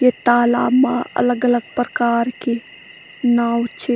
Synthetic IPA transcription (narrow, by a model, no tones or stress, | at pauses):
jet̪aːla̰ːmaɐ̰ləɡələɡ̚pɾəkaːɾke | naːwt͡ʃʰe